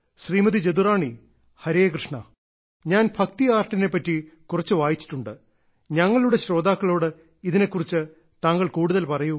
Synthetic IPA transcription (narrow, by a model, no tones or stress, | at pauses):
ɕriːmɐðit͡ɕed̪uraːɳi | hɐɾeːkrɨʂɳɐ | ɲaːnbʱɐk̚t̪iaːrʈɐne̞pːɐtːikurɐt͡ɕːɨʋaːjit͡ɕːi̥ʈːuɳɖɨ | ɲɐŋːɐɭuɽe̞ɕɾo̞ːd̪aːkːɐɭo̞ːɽɨ | iðine̞kːurit͡ɕːɨ | t̪aːŋːɐɭkuːɽuðɐlpɐrɐju